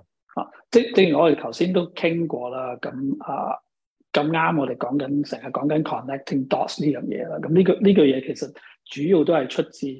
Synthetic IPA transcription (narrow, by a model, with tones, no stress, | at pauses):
ha̰ː˨˩ | t͡sɛ˥˩t͡sɛ˥ŋɔː˨˧t̪e˨t̪ʰɐ˨˩wsiː˥nt̪o˥wkʰɪ˥ŋkʷɔː˧laː˥kɐ˨˧˥mʔɐ̰ː˨˩ | kɐ˧mŋaː˥mŋɔ˨˧ɾe˨˩jkɔː˨˥ŋkɐ˨˥nsɛː˨˩ŋhɐ˨t̚kːɔː˨˥ŋkɐ˨˦nkʰɔː˨nːɛ˥k̚t̪ʰɪ˥˩ŋt̪ɔ̰ː˥sliː˥jœː˨˩ŋjɛ̰ː˨˧laː˥kɐ˨˥mnliː˥kɔ˧liː˥kœː˧jɛː˨˧kʰe˨˩jsɐ˨t̚ | t͡ʃyː˨˥ji˨˧wt̪o˥hɐ˨jt͡ʃʰɵ˥t̚t͡siː˧